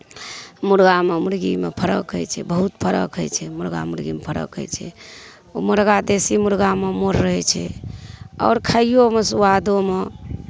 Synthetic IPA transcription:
muɾɡamemuɾɡḭmḛpʰəɾə̰kɦə̰jt͡ʃʰɛ̰bəɦut̪pʰəɾə̰kɦəjt͡ʃʰɛmuɾɡa̰muɾɡimepʰəɾə̰kɦə̰jt͡ʃʰɛ̰ | oməɾɡad̪esimuɾɡamemoɾːəɦɛt͡ʃʰɛ̰ | ɔ̰ːɾkʰəijomesuwad̪ome

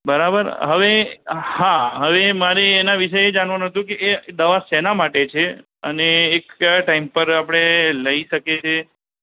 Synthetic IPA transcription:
bəɾabə̰ɾɦəʋehaɦəʋemaɾeːnaʋiʃəed͡ʒanʋanɦət̪ũkeʔːd̪əʋasenamaʈet͡ʃʰe | ə̰neːkʈaimpəɾapəɽ̃eləiʃəket͡ʃʰe

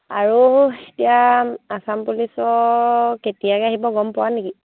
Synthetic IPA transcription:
aɹuetijaasampulisɔketijakɛaɦibɔɡɔmpʊwaneki

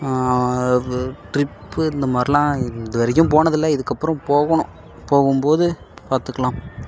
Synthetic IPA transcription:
ʈɾɪpːɯɪnd̪ɐmaːd̪ɾɪlãːɪd̪ɐʋɐɾɐjʊ̃mp̬oːnɐðɪlːɐɪðɯkːɐpːɯɾɐ̃mpoːɣɐɳʊ̰̃ | poːɣɯmpoːðɯ | paːɾt̪ɯkːɐɭaːm

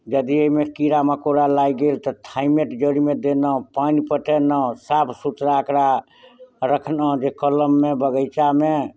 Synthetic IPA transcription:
d͡ʒəd̪iəimekiɾaməkoɾalaiɡelt̪ɔt̪ʰaimeʈd͡ʒəɽimed̪enə̃panipəʈenə̃sapʰsut̪ɾaəkɾa | ɾəkʰnə̃d͡ʒekələmːebəɡəjt͡ʃame

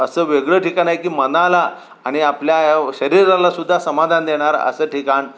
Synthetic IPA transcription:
əsəːʋeɡɭəːʈʰikanajkiːmənala | aɽ̃iapljaɕəɾiɾalasud̪ʱːasəmad̪ʱand̪eɽ̃aɾə̰səːʈʰikaɳ

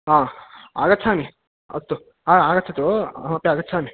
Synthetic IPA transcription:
ɦãːa̰ːɡɐt̪ːsʰaːmi | ɐ̰t̪ːu | aːaːɡɐt̪ːt͡ʃʰːɐt̪ːuɐ̰mapjaːɡɐt̪ːsʰaːmi

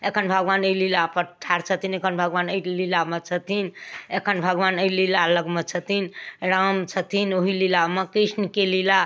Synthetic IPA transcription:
ekʰənbʱəɡʋanəlilapəʈʰːaɾt͡ʃʰət̪ʰinekʰənbʱəɡʋanəjlilamet͡ʃʰət̪inekʰənbʱəɡʋanəjlilaləɡmet͡ʃʰət̪inɾamt͡ʃʰət̪inoɦililamekɾisnəkelila

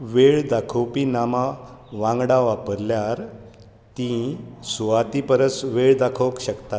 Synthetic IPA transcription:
ʋeɭd̪akʰəwpinamaʋãŋɡɽaʋapəɾljaɾ | t̪ĩsuʋat̪ipəɾəsʋeɭd̪akʰəwəkɕəkt̪at̪

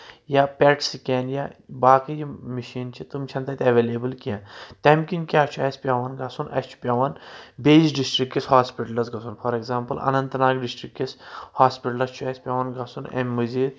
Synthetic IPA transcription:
japʲɛʈsikʲeːnjaːbaːkɨjimiʃiːnt͡ʃʰit̪umt͡ʃʰɐnt̪ɐt̪ʲɐʋeːleːbɨlkijãnt̪emkʲiŋkʲjaːt͡ʃʰuɐsʲpʲaːʋɐnɡɐsunɐ̰st͡ʃʰu̥pʲjaːʋɐnbeːzɖisʈɾikːishaːspiʈɐlɐzɡɐsʰunpʰɐɾekzãːmpɨlɐ̰nɐnt̪naːɡɖisʈɾikːishaːspiʈɐlɐst͡ʃʰuɛsʲpʲaːʋɐnɡɐsunḛmːuziːɾ

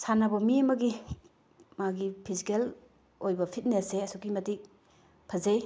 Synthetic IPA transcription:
sanɐbɐmiɐmɐɡi | maɡipʰizikel | ojbɐpʰit̚neseɐsukimɐtik̚ | pʰɐzej

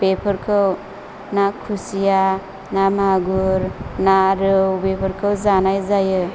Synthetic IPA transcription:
bepʰʌɾkʰɯw | nakʰusija | namaɡuɾnaɾɯwbepʰəɾkʰɯwzanajzajɯ

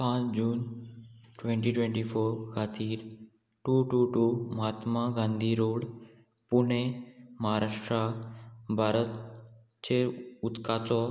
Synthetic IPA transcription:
pãːd͡ʑuːn | ʈwẽɳʈiʈwẽɳʈifoːɾkʰaːt̪iːɾ | ʈuːʈuːʈuːmaːt̪maɡãːnd̪ʱiɾoːɽ | pʊɳemɐaɾaːʂʈɾabʱaːɾət̪ | t͡ɕʰeʊt̪kat͡ɕɔ

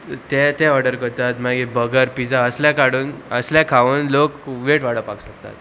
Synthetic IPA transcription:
t̪ɛ̃t̪ɛ̃ɔɾɖəɾkəɾt̪at̪maɡibəɡəɾpid͡zaəsljakaɽuːnəsljakʰaʋənlokʋeʈʋaɽ̤əpaksək̚t̪a̰t̪

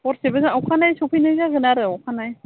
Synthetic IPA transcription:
ɔɾsebazaŋawkʰanajsopʰijnajzaɡɯnaɾɯawkʰanaj

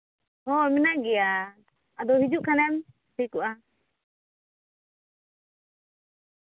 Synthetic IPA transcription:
hɔmɛnaʔɡɛja | ad̪ɔhid͡ʒuʔkʰanɛm | tʰikuʔa

